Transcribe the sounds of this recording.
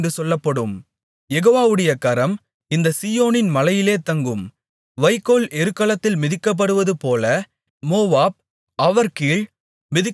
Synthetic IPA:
drɯsɔlːɐpːɐɽɯm | jɛɣoːʋaːʋɯɽɐjɐkɐɾɐm | ɪnd̪ɐsijoːnɪnmɐlɐjɪleːt̪ɐŋɡɯm | ʋɐɪkːoːlɛɾɯkːɐlɐt̪ːɪlmɪðɪkːɐp̬ːɐɽɯʋɐðɯpoːlɐ | moːʋaːb̚ | ɐʋɐɾkiːɭ | mɪðɪkː

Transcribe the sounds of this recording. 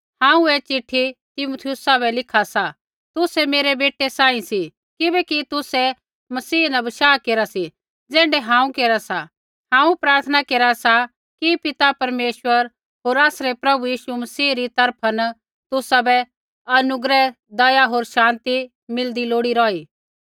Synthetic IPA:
hãːũet͡ʃɪʈʰːit̪ɪmuːt̪ʰɪjʊsabɛlɪkʰasa | t̪ʊsɛmeːɾebeːʈesãːĩsi | kɪbɛkit̪ʊsɛ | mɐsiːnɐbɐʃaːkeːɾasi | d͡zɛ̃ːɳɖɛɦãːũkeːɾasa | hãːũpɾaːɾt̪ʰənakeːɾasa | kipɪt̪apɐɾmeːʃwəɾ | ɦoːɾaːsɾepɾɐbujiːʃumɐsiːɾit̪ɐɾpʰən | t̪ʊsabɛ | ɐnʊɡɾɛ | d̪ɐjaɦoːɾʃãːnt̪i | mɪld̪iloːɽiɾɔːiː

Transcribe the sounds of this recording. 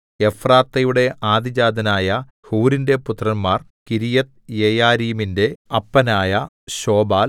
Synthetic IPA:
e̞fraːt̪ːɐjuɽe̞ʔaːd̪id͡ʑaːd̪ʱɐnaːjɐ | huːɾinde̞put̪ːrɐnmaːr | kiɾijɐt̪jejaːɾiːminde̞ɐpːɐnaːjɐ | ɕo̞ːbaːl

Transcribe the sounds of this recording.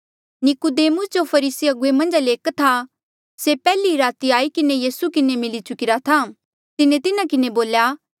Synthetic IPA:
nɪkud̪eːmʊsd͡ʒopʰɐɾiːsiɐɡʊemɐ̃nd͡ʒleːkt̪ʰa | sepɛːliɾaːt̪iaːikɪnejiːsukɪnemɪlit͡ʃʊkɪɾat̪ʰa | t̪ɪnẽt̪ɪnãkɪneboːljaː

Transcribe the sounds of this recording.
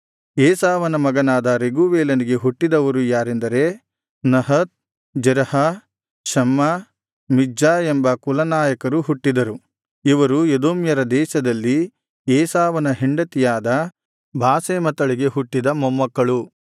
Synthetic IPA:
eːsaːʋɐnɐmɐɡɐnaːd̪ɐɾeɡuʋeːlɐniɡe̞ɦuʈːid̪ɐʋɐɾujaːɾend̪ɐɾe̞ | nɐɦɐt̪̚ | d͡ʒɐɾɐhɐ | ʃɐmːɐ | mid͡ʒaːembɐkulɐnaːjɐkɐɾuɦuʈːid̪ɐɾu | iʋɐɾujed̪oːmjɐɾɐd̪ɛːʃɐd̪ɐlːi | eːsaːʋɐnɐɦiɳɖɐt̪ijaːd̪ɐ | bʱaːseːmɐt̪ɐɭiɡe̞ɦuʈːid̪ɐmɔmːɐkːɐɭu

